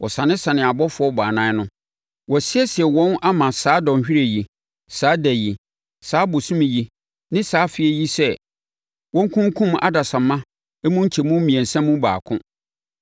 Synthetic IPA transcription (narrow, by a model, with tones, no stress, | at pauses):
wɔ˨sã˨nɪ̃˦sã˨nɪ̃˨a˨bɔ˦fʊ˦ɔ˦baː˨nã˦nʊ̃˦ | wɔ˨sɪ˦ɛ˦sɪ˨ɛ˨wɔ̃˦nʔa˦mã˨saː˨˦dɔ̃˨ɕᶣi˦ɾe˨ji˨ | saː˨˦dæ˨ji˨ | saː˦bʊ˨sũ˦mĩ˨ji˨ | nɪ̃˦saː˨˦fɪ˦ɛ˦ji˦sɛ˦ | wɔ̃˦ŋ˦kʰũ˦ŋ˦kʰũ˦m˦ʔa̰˦da˨sã˨mːã˦ | ɛ˦mũ˦ɲ̩˦t͡ɕʰɛ˨mũ˦mĩ˨ɛ̃˨n˨sɛ̃˦mːũ˦ba̰ː˨kʰʊ̃˦